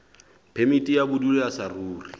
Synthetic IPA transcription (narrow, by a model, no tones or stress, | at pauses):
pʰemitʼijabʊduleasaruːri